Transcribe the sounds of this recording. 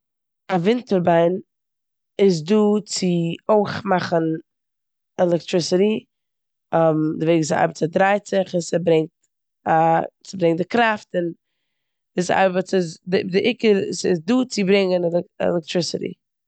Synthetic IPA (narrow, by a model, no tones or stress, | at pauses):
avɪntəɾbaɪn | ɪz̬duːt͡sɪoɪχmaχən | ɛlˠɛk̚tɾɪsɪɾi | ɔmdɪveɪɡɪs̬a̰ɪbət͡sadɾaɪt͡sɪχɪsɛbɾɛŋt | asɪbɾɛŋdɪkɾaftɪn | ɪsa̰ɪbət͡sɪsdɪdɪʔɪkəɾsɪ̰sduːt͡sɪbɾɪŋənlɛ̰lɛk̚tɾɪsɪɾḭ